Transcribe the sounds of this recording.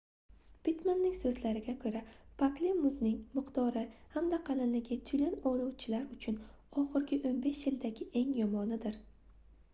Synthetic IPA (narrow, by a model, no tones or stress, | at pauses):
pɪt̪manːɪŋsɵzlaɾɪɡʲakʰɵɾapʰaklimːʊznɪŋmɪqt̪ɒɾɪhamd̪aqʰɑlɪnlɪɡʲɪt̪ʰʊlɪnɒlˠɒwt͡ʃʰɪlaɾʊt͡ʃʰʊn | ɒχɨɾɡʲɪʔonbe̞ʃjɪld̪aɡʲɪʔe̞ŋjɒmɒnɪd̪ɪɾ